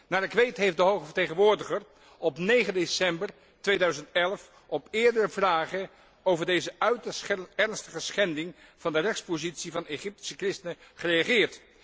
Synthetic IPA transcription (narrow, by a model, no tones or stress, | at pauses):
naːɹəkʋejtɦejfdəɦowχəvəɹtejχənʋʊːɹdəχər | ɔpnejχəndesɛmbər | tʋejdœɥzəntɛlˠf | ɔpɪːɹdərəvraːχə | owvəɹdejzəɥtɛɹnstəχəsχɛndɪŋv̥ɑndərɛχspozitsivɑneχɪp̚ti̥səkrɪstənəχərejaχɪːɹt